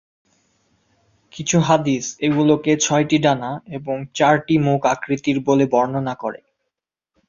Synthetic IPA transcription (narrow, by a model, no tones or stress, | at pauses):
kit͡ɕʰuɦad̪iseɡuloket͡ɕʰɔjʈiɖanaeboŋt͡ɕaɾʈimukakɾit̪iɾbolebɔɾnonakoɾḛ